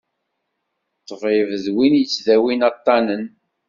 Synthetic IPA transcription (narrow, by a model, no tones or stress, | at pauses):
t̪ːəfivəðwinjət͡sːðæwinɑt̪ˤːɑnən